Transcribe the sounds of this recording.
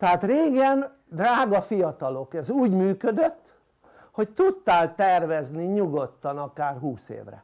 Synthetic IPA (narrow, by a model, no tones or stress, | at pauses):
t̪ɛɦaːt̪reːɡɛn | d̪raːɡɒfijɒt̪ɒlo̞kɛzuːɟmyːkød̪øt̪ː | ho̞c̚t̪ut̪ːaːlt̪ɛrvɛzniɲuɡo̞t̪ːɒnɒkaːrɦuːsḛːvrɛ̰